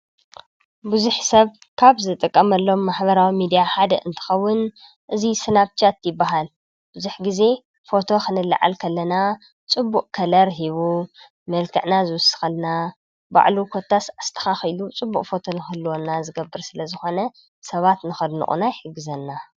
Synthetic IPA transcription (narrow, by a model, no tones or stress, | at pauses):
bɨzuħsɐβ | kʰaβzɨt̪ʼɨkʼːɐmɐlːo̞mːaħbɐɾawimid̪ijaħad̪ɐʔɨnt̪ʰɨ̥xɐwːʊn | ʔɨzisɨnaβt͡ʃat̪jɪbːaɦal | b̥ɨzuħɡize̞ | fo̞t̪ʰo̞xʰɨnɨlːɨ̰ʕa̰lkʰɐlːɐna | t͡sʼɨbːuʔʼkʰɐlɐɾɦiβu | mɐlkʰɨʕnazɨwʊsɨ̥xɐlna | ba̰ʕlukʰo̞t̪ʰːasast̪ʰɐ̥xaxilut͡sʼɨbːukʼfo̞t̪ʰo̞nɨxɨlːwonːazɨɡɐbːɨɾsɨlɐzɨxo̞nɐ | sɐβat̪nɨxɐd̪nɨ̰ʔʼṵnajħɨɡɨzɐnːa